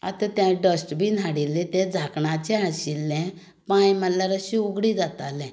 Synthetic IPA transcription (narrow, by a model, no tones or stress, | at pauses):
a̰t̪ãt̪jãɖəsʈbʱiːn̤aɽilːĩt̪ɛ̃d͡zʱakɳat͡ɕɛ̃ɦaɕilːɛ̃ | pãjməlːaɾaɕiuɡɽĩd͡zat̪alɛ̃